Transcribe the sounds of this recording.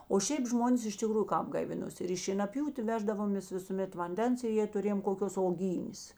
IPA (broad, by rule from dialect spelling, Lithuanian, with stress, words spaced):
oː ʃʲɛɪp ˈʒmoːnʲeːs ɪʃ tʲɪˈkruːjʊ ˈkɑːp ɡɐɪˈʋʲɪnoːsʲɪ ˈɪr iː ʃʲiɛnɐˈpʲjuːtʲeː ˈʋʲæːʒdɐʋoːmʲeːs ʋʲɪsʊˈmʲɛt ʋɐnʲˈdʲɛns ɪ jeː tʊˈrʲeːjoːm koːˈkʲoːs oːˈɡʲiːnʲeːs